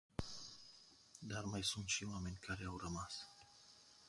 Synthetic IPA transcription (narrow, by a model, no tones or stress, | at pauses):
d̪armajsunt̪ʃiwame̞nʲkʰaɾe̞awrəmas